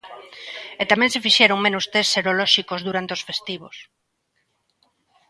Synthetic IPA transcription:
et̪amɛ̃ŋsefiʃɛɾoŋmẽnost̪esseɾolɔʃikozðuɾant̪eosfest̪iβ̞os

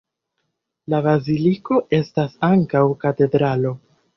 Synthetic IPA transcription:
labaziliko̞ʔe̞stasaŋkawkate̞dɾalo̞

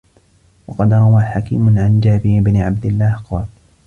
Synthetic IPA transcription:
wɑqɑd̪ɾˤɑwaːħakḭːmʊʕand͡ʒaːbɪɾbnɪʕab̚d̪ɪlːaːhqɑːl

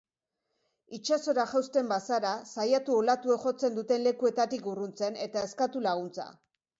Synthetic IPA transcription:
it͡ʃaso̞ɾaʝawst̪e̞mbasaɾasajat̪uolat̪ue̞ʝo̞t͡se̞nd̪ut̪e̞nle̞kue̞t̪at̪ikurunt͡se̞ne̞t̪ae̞skat̪ulaɣ̞unt͡sa̰

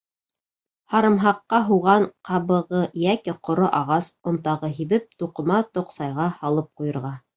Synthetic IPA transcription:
hɑɾɤ̆mɦɑqːɑɦuʁɑɴqʰɑβɤ̆ʁɤjækɘqŏɾoʔɑʁɑsŏnt̪ɑʁɤɦiβɘp̚t̪uqɤ̆mɑt̪ŏqsɑjʁɑhɑlˠɤp̚qujɤ̆ɾʁɑ

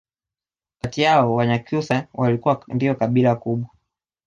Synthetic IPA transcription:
katiaɔwaɲakjusawalikuwandiɔkaɓilakuɓwa

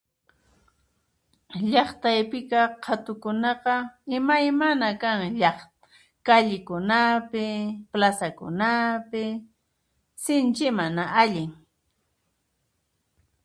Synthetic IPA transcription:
ʎɑχt̪ajpɪkɑqʰat̪ʊkʊnɑqɑɪmajmanakaŋʎɑ | kaʎɪkʊnapɪplasakʊ̰napɪ | sɪnt͡ʃɪmanaʔaʎɪŋ

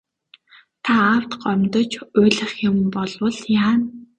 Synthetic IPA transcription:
t̪ʰaːwt̪ɢœmʲt̪ɞ̆t͡ɕʊːɮə̆χjʊ̆mpɔɮwə̆ɮjaː

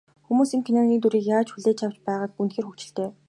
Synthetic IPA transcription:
xumuːsiːŋkʰenɔnɡʲiːkt̪uɾiːkjaːt͡ɕxuɮeːt͡ɕʰaw̥t͡ɕpæːʁaːk̚unxeːrxukt͡ɕɪ̆ɬt̪eː

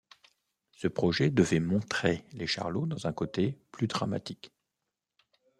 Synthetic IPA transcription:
səpχɔʒɛd̪əvɛmɔ̃t̪χeleʃa̰ʁlod̪ɑ̃zɛ̃kot̪eplyd̪ʁama̰t̪ik

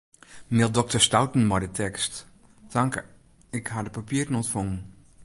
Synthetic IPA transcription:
nɪlˠdɔk̚tərstawtn̩mɔjdətʰɛkst | taŋk | ɪkhadəpapiəɾənɔntfɔŋən

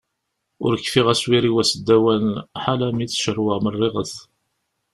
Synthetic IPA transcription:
ʊ̰ɾəkːfiʁæswiɾiwæsəd̪ːæwænħalæmiθʃəɾwəʁmərˤːɪʁəθ

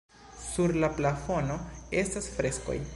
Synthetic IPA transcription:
suɾlaplafo̞no̞e̞stasfɾe̞sko̰j

